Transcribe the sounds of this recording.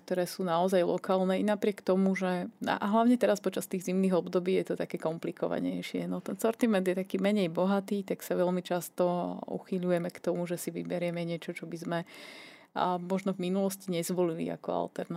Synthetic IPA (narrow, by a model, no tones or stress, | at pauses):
k̚t̪ɔɾɛːsuːnaɔzajlɔ̰kaːlnɛːinapɾɪɛkt̪ɔmuʒɛa̰ʔaɦlaʊɲɛt̪ɛɾaspɔt͡ʃast̪iːɣzimniːɣɔbd̪ɔbiːjɛt̪ɔt̪akɛːkɔmplikɔ̰ʋa̰ɲɛ̰jʃɪɛ̰nɔt̪ɛnsɔɾt̪imɛnd̪jɛt̪akiːmɛɲɛjbɔɦat̪iːt̪aksaʋɛʎmit͡ʃast̪ɔṵxiʎujɛmɛkt̪ɔmuʒɛsiʋḭbɛɾɪjɛmɛɲɪɛt͡ʃɔt͡ʃɔbizmɛ | mɔʒnɔvminulɔsciɲɛzʋɔlilḭa̰kɔ̰a̰lt̪ɛɾn